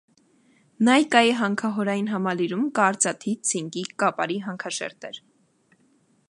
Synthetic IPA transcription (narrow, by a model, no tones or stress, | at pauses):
nɑjkɑjiɦɑŋkʰɑɦɔɾɑjinɦɑmɑliɾumkɑɾt͡sɑt̪ʰit͡sʰiŋkikɑpɑ̰ɾiɦɑŋkʰɑʃɛ̰ɾt̪ɛɾ